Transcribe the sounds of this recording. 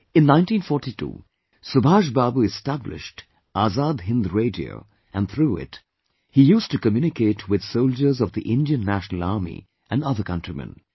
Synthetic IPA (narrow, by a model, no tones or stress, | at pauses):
ɨ̃nnãɪ̃ntĩnfɔːɹʈitʰṵː | sʊbʱaːʃbabuɨstæblɪ̰ʃt | ʔazaːd̪ɦɪ̃nd̪ɹeɪdḭo̰ʊ | ɨ̃nt̪ʰɾuːɪ̰t | hijuːstukəmjunɪkʰeɪtʰwɪd̪̥soʊld͡ʒə˞zɔvðiʔɪ̃ndiə̃nːæʃnl̩aɹmḭ | ʔæ̃nʌðə˞kʌ̃ntɹimɛ̰̃n